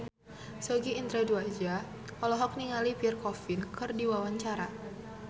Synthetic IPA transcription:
sɔɡiːnt̪ɾɛduad͡ʒa | ɔlɔɦɔk̚niŋalipirkɔfinkɨrdiwawaɲt͡ʃaɾa

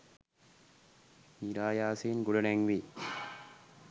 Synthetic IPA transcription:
miɾaːjaːseːnɡuɽɐnɛŋʋi

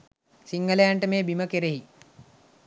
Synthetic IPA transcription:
siŋɡəlejaɳʈəmeːbiməkeɾeɦi

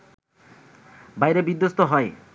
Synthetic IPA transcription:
bajɾebid̪ːost̪oɦɔe

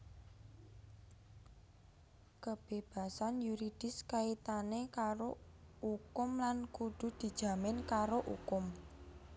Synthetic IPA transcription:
kəb̥eb̥ä̤sanjuɾid̥ɪ̤skait̪anekaɾo | ukʊmlankuɖ̪̥ṳd̪̥i̤d̥ʒ̥ä̤mɪnkaɾoʔṵkʊm

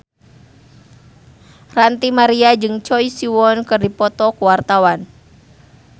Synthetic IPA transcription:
rant̪imaɾiad͡ʒɨŋt͡ʃɔisiwɔnkɨrdipɔt̪ɔkuwart̪awan

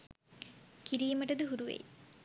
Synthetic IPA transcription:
kiɾiːməʈəd̪əɦuɾuʋḛj

